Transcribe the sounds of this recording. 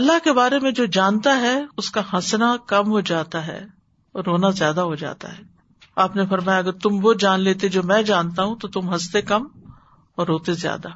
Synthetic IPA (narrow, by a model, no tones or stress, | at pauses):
ɐlːaɦkebaːɾemẽd͡ʒoːd͡ʒaːnt̪aɦɛʊskaɦɐ̃snakɐmɦod͡ʒaːt̪aɦɛ̰ː | ɔːɾːoːnazjaːd̪aɦod͡ʒa̰ːt̪a̰ɦɛː | aːpnefɐɾmaːjaɐɡəɾt̪ʊmʋod͡ʒaːnleːt̪ed͡ʒoːmɛ̃ːd͡ʒaːnt̪aɦũt̪ot̪ʊmɦɐst̪ekɐm | ɔːɾːoːt̪ezja̰ːd̪a